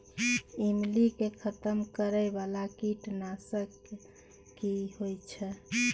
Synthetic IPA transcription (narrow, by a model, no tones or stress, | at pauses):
imlikekʰət̪əmkəɾəjbalakiʈnasəkː | ihojt͡ʃʰɛ